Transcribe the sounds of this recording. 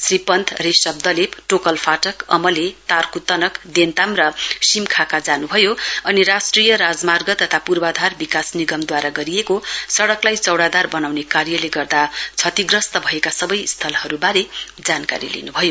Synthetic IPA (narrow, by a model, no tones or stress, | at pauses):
sripʌnt̪ʰrisʌb̚d̪ʌlipʈokʌlpʰaʈʌkʌmʌlet̪arkut̪ʌnʌkd̪ent̪amrʌsimkʰakad͡zanubʱʌjoʌniɾasʈrijʌɾad͡zmarɡʌt̪ʌt̪ʰapurbad̪ʱarbikasniɡʌmd̪waɾaɡʌɾijekosʌɽʌklajt͡sʌwɽad̪arbʌnawnekaɾjʌleɡʌrd̪at͡sʰʌt̪iɡrʌst̪ʌbʱʌekasʌbʌjst̪ʰʌlhʌɾubaɾe | d͡zanka̰ɾḭlḛnubʱʌjo